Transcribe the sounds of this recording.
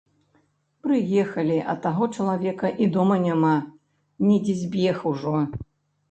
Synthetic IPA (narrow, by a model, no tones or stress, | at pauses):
pɾɨjɛxɐlʲiʔɐ̰t̪ːaɣɔt͡ʂɐlˠavʲɛkɐʔid̪ɔmɐnʲama | nʲɛd͡zʲizʲbʲɛxuʐɔ